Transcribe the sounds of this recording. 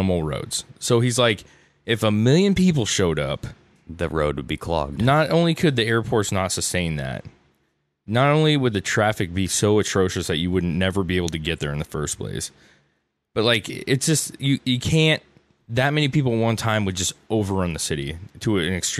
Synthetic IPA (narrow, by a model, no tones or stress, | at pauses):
əml̩ˠɹo̰ʊdz̥soʊizlaɪk | ɨfəmɪlˠjɨ̃npipl̩ˠʃoʊɾʌ̰p | ðɨ̰ɹo̰ʊd̚wɨd̚bikʰl̥ʌ̰ɡ̚d̥nəɾõʊ̃nlikʰɨd̪̚ðiɛɹpʰɔɹtsnətsɨstẽɪ̃nðæ̰t̚ | nəɾõʊ̃nliwəd̪̚ðɨtʰɹ̥æfɨk̚b̥isoʊɨtʰɹ̥oʊʃɨsðɨt͡ʃɨwʊdⁿn̩nɛvə˞bieɪbl̩ˠtʰɨɡɛt̪̚ðə˞ɨ̃nðəfɜ˞spʰl̥ḛɪs | b̥ʌt̚ˡlaɪkɪtsd̥ʒ̥ʌstjɨjɨkʰæ̃n | ðɨt̚mɛñipipl̩ˠət̚wʌ̃ntʰãɪ̃mwɨd̚d͡ʒʌstoʊvə˞ɹʌ̃nðɨsɪɾḭɾəɨ̃nɨkst